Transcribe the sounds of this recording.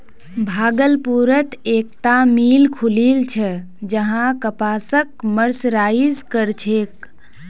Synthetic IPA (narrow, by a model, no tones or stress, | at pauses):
bʱaːɡəlpuɾət̪ek̚t̪amilkʰulilt͡ʃʰɛ | d͡ʒəɦãkəpaːsəkməɾsɾaizkəɾt͡ʃʰek